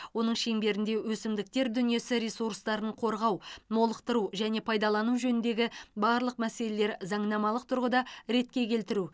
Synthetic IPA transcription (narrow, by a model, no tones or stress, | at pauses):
wo̞nəɴʃe̞ŋbe̞ɾɪnd̪e̞wɵsɪmd̪ɪk̚t̪e̞ɾd̪ʏnije̞sɪɾesuɾst̪ɑɾəɴqʰo̞ɾʁɑwno̞lˠəqt̪əɾuʒæne̞pʰɑjd̪ɑlˠɑnuwʒɵnɪnd̪e̞ɡʲɪbɑɾlˠəq̚mæse̞le̞le̞ɾzɑɴnɑmɑlˠəq̚t̪ʰʊɾʁəd̪ɑɾe̞t̪̚kʲe̞kʲʰe̞lt̪ɪɾu